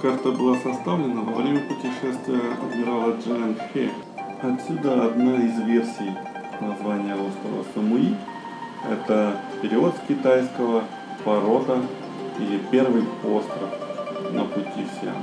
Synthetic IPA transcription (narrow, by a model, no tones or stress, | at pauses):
kakt̪əbɨlˠasɐst̪avlʲɪnəvɐvɾʲemʲəpʊtʲɪʂɛst̪vʲɪjəɐ̰d̪mʲɪɾalˠəd͡ʐɛnxʲe | ɐt̪sʲud̪əɐd̪noɪzvʲe̞rsʲij | nɐzvanʲɪjəuskəvə̰səmi | ɛ̰t̪əpʲɪɾʲɪot̪skʲɪt̪ajskəvə | pɐɾo̞t̪ə | ḭlʲɪpʲe̞rvɨjpost̪ɾəfnə̰pʊtʲʰifsʲa̰